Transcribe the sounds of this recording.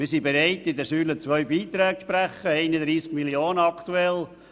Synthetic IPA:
mɪɾsibɛɾɛɪtɪd̪əsyːlət͡sʋœʏbiːt̪ɾɛːɡʃpɾæχəɛɪnəd̪ɾiːskmiljoːnəɑkt̪uɛl

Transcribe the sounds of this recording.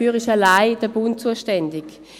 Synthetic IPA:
yːʁɪʃalaɪd̥ɛɐbʊnt̚t͡suːəʃtɛndɪk

